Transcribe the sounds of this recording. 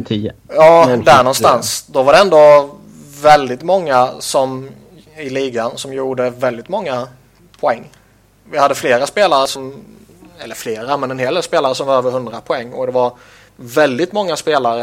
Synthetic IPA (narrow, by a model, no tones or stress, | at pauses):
t̪ʰijɑːd̪æɳɔnst̪ansd̪ɔvaɖɛɛnd̪o | vɛld̪ɪt̪mɔŋːasɔm | ɪliːɡansɔmjuːɖəvɛld̪ɪt̪mɔŋːa | pʰɔɛŋː | vɪhad̪ːəfleːɾaspeːlaɾəsɔm | ɛlːəɾfleːɾamɛnɛnɦeːld̪eːlspeːlaɾəsɔmvaɾøːvəɾɦɵnd̪ɾapʰɔɛŋːɔ̰d̪ɛvaɾ | vɛld̪ɪt̪mɔŋːaspeːlaɾə